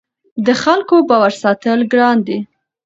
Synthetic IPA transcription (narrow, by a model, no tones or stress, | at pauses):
d̪əxalkobɑwaɾsɑt̪əlɡɽɑnd̪i